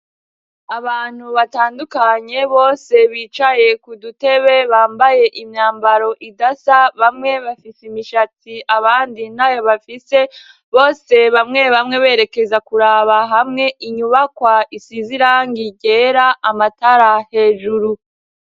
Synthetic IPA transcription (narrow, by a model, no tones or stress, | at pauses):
aβaːn̥huβataːndukaɲe̞βo̞ːse̞βiːt͡ʃaje̞kudute̞βe̞βaːmbaje̞ʔimɲaːmbaɾo̞ʔidasaβamŋe̞βafisimiʃatiaβaːndin̥ajo̞βafise̞ | βo̞ːse̞βamŋe̞βamŋe̞βe̞ːɾeke̞zakuɾaːβaɦamŋe̞ʔiɲuβakwaisiziɾaŋɡiɟe̞ːɾaʔamataɾahe̞ːʒuɾu